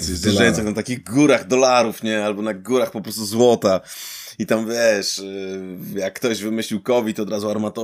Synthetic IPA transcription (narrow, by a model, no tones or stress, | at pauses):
zd̪ɛʐajɔ̃nsɨxnat̪akʲiɣɡuɾaɣd̪ɔlaɾufɲɛalbɔnaɡuɾaxpɔpɾɔst̪uzwɔt̪ait̪amvʲjɛʂ | jakːt̪ɔʑvɘmɘɕlʲiwkɔvʲit̪ɔd̪ɾazuaɾmat̪ɔ